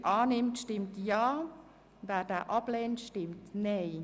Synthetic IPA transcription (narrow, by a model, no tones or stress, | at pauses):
ʔɑːnɪmtʃtɪmtjɑː | vɛːdɛːʔɑpleːntʃtɪmtnej